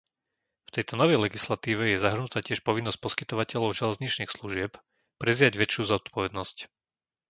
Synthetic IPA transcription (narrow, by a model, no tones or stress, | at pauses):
ft̪ɛjt̪ɔnɔʋɛjlɛɡislat̪iːʋɛjɛzaɦr̩nut̪aːcɪɛʃpɔʋinːɔsc̚pɔskit̪ɔʋacɛlɔʊʒɛlɛzɲit͡ʃniːxsluʒɪɛp | pɾɛzɪaɟʋɛt͡ʃjuːzɔt̪pʰɔʋɛd̪nɔsc